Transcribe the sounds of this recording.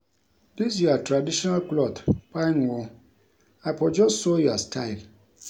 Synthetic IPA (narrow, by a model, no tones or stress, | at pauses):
dis̬jiatɾadiʃɔnalklɔdpaɪnwɔ | apɔd͡ʒɔssɔjuastʰaɪl